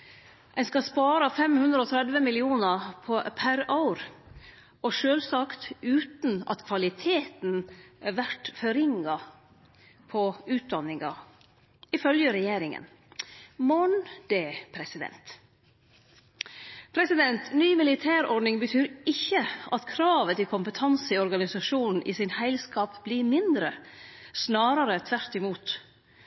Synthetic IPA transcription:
ʔæɪnskɑspɑːɾɑfɛmhʉnd̪ɾəoːt̪ʰɾɛd̪ʋəmɪlɪuːnəpʰɔpʰæɾaʊɾ | ʔɔʃøːlsɑkt̪ʉːt̪n̩ʔɑ̰t̪kʰʋɑlɪt̪ʰeːt̪nʋæʈfɔɾɪŋɑ | pʰɔʉːt̪̚d̪ɑnːɪŋɑ̰ | ɪfœljəɾɛjeːɾɪŋə̰n | mɔnd̪̥eːpʰɾɛsɪd̪ɛ̰nt̪ | pʰɾɛsɪd̪ɛnt̪nyːmɪlɪt̪ʰæːɾɔɖnɪŋbət̪ʰyːɾɪçːəʔɑt̪kʰɾɑːʋət̪ɪlkʰʊmpət̪ʰɑnsɪɔɾɡɑnɪsɑʂuːnn̩ʔɪ̰sɪnhæɪlskɑːpbliɾmɪnd̪ɾəsnɑːɾəɾət̪ʰʋæɾt̪ɪmuːt̪

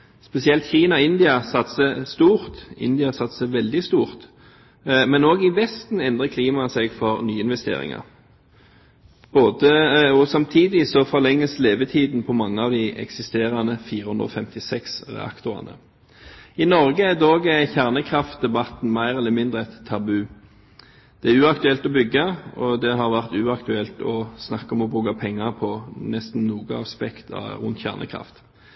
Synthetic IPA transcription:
spɛsɪɛlt̪çiːnɑɪnd̪ɪɑsɑt̪səst̪uːʁt̪ɪ̰nd̪ɪɑsɑt̪səʋɛld̪ɪst̪uːʁt̪ | mɛnoːɡɪʋɛst̪n̩ɛnd̪ʁəkʰliːmɑsɛɡfɔʁnyːɪnʋɛst̪ḛːʁɪ̰ŋɑ̰ʁ | b̥oːd̪əɔsɑmt̪ʰiːd̪ɪsɔfɔʁlɛŋːəsleːʋət̪ʰiːd̪n̩pʰɔmɑŋːəɑʋd̪ɪʔɛ̰ksɪst̪eːʁɑnəfiːʁəhʉɵnd̪ʁɔ̰fɛmt̪ɪsɛksʁɛ̰ɑ̰kt̪ʊʁɑ̰nə̰ | ɪnɔɾɡəæd̪oːɡəçæʁnəkʰɾɑft̪̚d̪ɛbɑt̪n̩mæɪʁɛlːəmɪnd̪ʁəɛt̪ʰːɑbʉː | d̪̥ɛæʁʉːɑkt̪ʉɛlt̪ɔbʏɡːɑɔd̪ɛɦɑʁʋæʁt̪ʉːɑkt̪ʉɛlt̪ɔsnɑkːɔmɔbuːkɑpʰɛŋːɑʁpʰɔnɛst̪n̩nuːɡəɑ̰spɛkt̪ʰɑ̰ʉ̰nt̪çæ̰ːʁnʔə̰kʰɾɑ̰ft̪

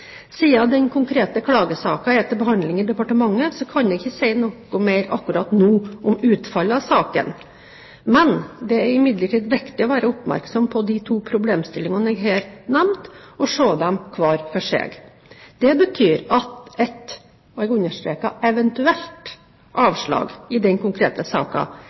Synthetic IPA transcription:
siːɑd̪ɛnkʰʊŋkʰɾeːt̪əkʰlɑːɡəsɑ̰ːkɑɛt̪ːəbəhɑnd̪lɪŋɪd̪ɛpɑʈəmɑŋːəsɔkʰɑnd̪ɛɡɪçːəsɛɪnoːkʊmeɪɾɑkːʉɾɑːt̪nuːʔɔmʉːt̪fɑlːəɑʋsɑːkə̰n | mɛnd̪ɛæɾɪmɪd̪ləʈʰiːd̪ʋɪkt̪ɪɔʋæːɾəʊpmæ̰ɾksɔmpʰɔd̪ɪt̪ʰuːpʰɾʊbleːmst̪ɪlːɪŋɑnɛɡɦɛːɾt̪nɛmt̪ɔʂoːd̪ɛmkʰʋɑːɾfɔʂḛːɡ | d̪ɛbət̪ʰyːɾɑt̪ɛt̪ | ɔɛɡʉnːəʂʈɾeːkɑʔɛʋɛnt̪ʉɛlt̪ | ʔɑːʋʂɭɑ̰ːɡɪd̪ɛnkʊŋkʰɾeːt̪əsɑ̰ːkɑ̰

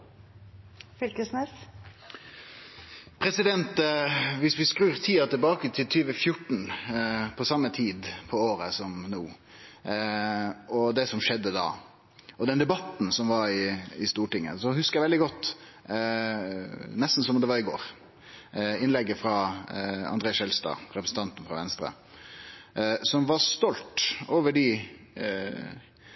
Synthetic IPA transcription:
fʏlkəsnɛs | pʰɾɛsɪd̪ɛnt̪ʋɪsʋɪskɾʉːɾt̪ʰiːɑt̪ɪlbɑːkət̪ʰɪlt̪ʰyːʋəfjʊʈːɳ̩pʰɔsɑmːət̪ʰiːd̪pʰɔoːɾəsɔmnuː | ɔd̪ɛsɔmʂɛd̪ːəd̪ɑ̰ː | ɔd̪ɛnd̪ɛbɑt̪ːn̩sɔmʋɑɾɪɪst̪uːʈɪŋːə̰sɔhʉskəɾjæʋɛld̪ɪɡɔt̪ː | nɛst̪n̩sɔmd̪ɛʋɑɾɪɡo̰ːɾ | ɪnlɛɡːəfɾɑ | ɑ̰nd̪ɾeːɑsɛlst̪ɑ̰ːɾɛpɾəsn̩t̪ʰɑnt̪n̩fɾɑ̰ʋɛnst̪ɾə̰ | sɔmʋɑɾst̪ɔlt̪oːʋəɖɪ

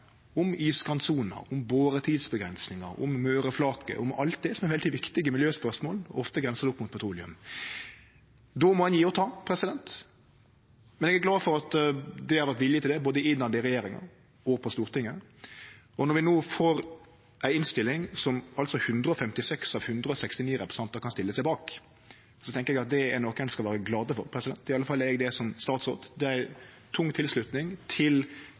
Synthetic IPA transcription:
ʊmiːskɑnsuːnə̰ʊmboːɾət̪ʰiːd̪sbəɡɾɛnsnɪŋɑ̰ɾʊ̰mmøːɾəflɑːkə̰ʔʊmɑ̰lt̪̚d̪ɛsɔmæɾʋɛlt̪ʰɪːʋɪkt̪ɪɡəmɪljøːspœɾsmoːlɔ̰ɔft̪əɡɾɛnsəd̪ʊpːmʊt̪pʰɔt̪ʰɾuːlɪʉ̰m | d̪ɔmɔhɛnjiːɔt̪ʰɑːpʰɾɛsɪd̪ɛnt̪ | mɛnɛɡæɾɡlɑːfɔɾɑt̪d̪ɛhɑɾʋæɾt̪ʋɪlːɪt̪ɪld̪ɛboːd̪əɪɪnːɑnd̪ɪɾɛjeːɾɪŋɑ̰ | ɔpʰɔst̪uːɾt̪ʰɪŋːə | ɔnɔɾʋɪnoːfoːɾ | ʔæɪɪnst̪ɪlːɪŋsɔmɑlt̪sɔhʉnd̪ɾəɔfɛmt̪ɪsɛksɑʋhʉnd̪ɾəɔsɛkst̪ɪniːɾɛpɾəsəɑnt̪əɾkʰɑnst̪ɪlːəsæɪbɑːk | sɔt̪ʰɛŋkəɾɛɡɑt̪̚d̪ɛæɾnoːkɛnskɑlʋæːɾəɡlɑːd̪əfɔɾpʰɾɛsɪd̪ɛnt̪ɪɑlːəfɑlːəɛɡd̪ɛsɔmst̪ɑːt̪sʁo̰ːt̪d̪ɛæɪ | t̪ʰʊŋːt̪ʰɪlslʉt̪nɪŋt̪ʰɪl

